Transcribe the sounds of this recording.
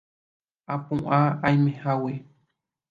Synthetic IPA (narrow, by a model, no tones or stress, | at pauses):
apũʔaajmẽhawe